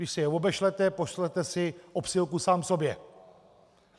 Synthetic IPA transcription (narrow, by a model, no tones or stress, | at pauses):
dɪʃsɛjɛvo̞bɛʃlɛt̪ɛpoʃlɛt̪ɛsɪʔopsɪlkusaːmfso̞bjɛ